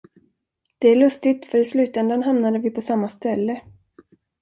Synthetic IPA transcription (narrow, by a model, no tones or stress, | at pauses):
d̪̥ɛæɭɵst̪ɪt̪fœɾɪslʉ̟ːt̪ɛnd̪anɦamnad̪əvɪpʰɔsamːast̪ɛlːə